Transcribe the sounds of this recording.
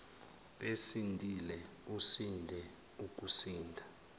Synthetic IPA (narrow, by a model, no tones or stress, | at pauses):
ɓesindʱilɛ | usindʱɛ | uk̬ʼusiːndʱa